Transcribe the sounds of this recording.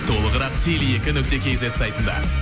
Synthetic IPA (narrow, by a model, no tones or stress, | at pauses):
t̪ʰo̞lˠəʁəɾɑqt̪ʰʲelije̞kʲɪnʏk̚t̪e̞kʲʰe̞jzesajt̪ənd̪ɑ̰